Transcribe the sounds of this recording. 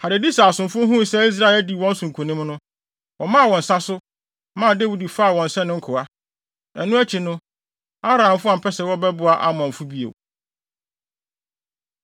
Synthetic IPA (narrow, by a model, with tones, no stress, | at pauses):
ha˨ɾɪ˨di˦sa˨a˨sʊ̃˨mfʊ̃˦ɦũ˦˨sɛ˦i˦s̬ɾa˦ɛ˨di˦˨wɔ̃˦n̩˦sũ˨ŋ˨kʰũ˨nĩ˦mnʊ̃˦ | wɔ̃˨mã˦˨wɔ̃˨n̩˨sa˦sʊ˦ | mã˦˨de˦wu˦˨di˨fa˦˨wɔ̃˨n̩˨sɛ̃˦nʊ̃˦ŋ̩˦kʰʊ˨a˦ | ɛ˨nːʊ̃˦æ˦t͡ɕʰi˨nʊ̃˦ | a˦ɾã˨ã˨m˨fʊ˦a˨pʰɛ˦sɛ˨wɔ˦bɛ˦bʊ˨a˨ʔa̰˨mɔ̃˨m̩˨fu˦bi˦ḛ˨